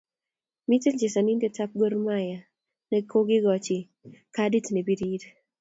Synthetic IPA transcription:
mi˦te˦ld͡ʒe˨sa˨ni˦nde˦ta˦p̚ɡo˦ɾma˦ja˨ | nɛ˨kʰo˦ɡɪ˦ɡɔ˨t͡ʃɪ˨ | kadi˦tne˨bi˦ɾi˦d

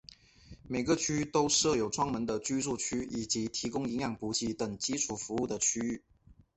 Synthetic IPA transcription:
me˨˩ɪɡə˦t͡ɕʰy˥˧t̪o˥ʊʂɤ˥˩jo˨˩ʊʈ͡ʂʰwɑ˥ŋmə˧˥nd̪ə˧t͡ɕy˥t͡su˥˩t͡ɕʰy˥i˨˩t͡ɕi˨˧˥t̪ʰi˧˥kʊ˥ŋi˧˥ŋjɑ˥˩ŋpu˧˥t͡ɕʰi˧˥t̪ə˨˩ŋt͡ɕi˥ʈ͡ʂʰu˨˩fu˧˥u˥˩d̪ə˩t͡ɕʰy˥y˥˩

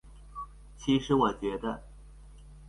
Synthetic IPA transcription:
t͡ɕʰi˧˥ʂɻ̩˧˥wɔ˨˩t͡ɕɥɛ˧˥d̪ə̰˧

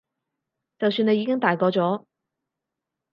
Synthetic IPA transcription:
t͡sɐ˨wsyː˨˧ne˧jːiː˨˧kɪ˥ŋt̪aː˨˩jkɔː˨˧t͡ʃɔː˨˥

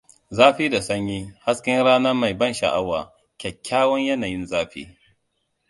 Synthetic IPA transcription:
zaː˦ɸiː˦da˨sɐ˦ɲjiː˦ha˦skʲɪ˦ŋɽaː˦nɐ˦ma˨jbɐ˦˨nʃɐ̰˨ʔa˦wa̰ː˨ | kʲɛ˨kʲːaː˦wɐ˦ɲjɐ˦naː˨jɪ˦nzaː˦ɸḭː˦

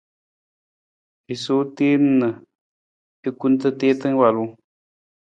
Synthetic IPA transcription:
i˨so˨˦te˦m̩˦nə˨ | i˦ku˦n˦tə˦te˦tɨ˦ŋ˦wa˨lu˦

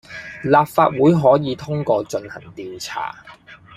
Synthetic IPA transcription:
laː˨p̚faː˧t̚wuː˨˥jɦɔː˨˥jiː˨˧t̪ʰʊ˥ŋkɔː˧t͡ʃɵ˧nhɐ̰˨˩ŋt̪iː˧wt͡sʰa̰ː˨˩

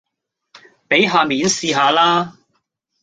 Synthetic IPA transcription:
pe˨˥jɦaː˨˧miː˨˥nsiː˧ɦaː˨˧laː˥

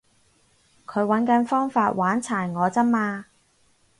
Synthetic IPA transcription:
kʰɵ˨˧˥ɥwɐ˨˥nkɐ˨˧˥nfɔː˥ŋfaː˧t̚wʔaː˨˥nt͡sʰaː˨˩jŋɔː˨˧t͡sɐ˥mːaː˧

